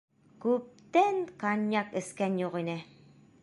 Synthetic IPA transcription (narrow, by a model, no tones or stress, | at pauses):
kʉp̚t̪æŋkɑnʲjɑkɘ̆skænjuqinɘ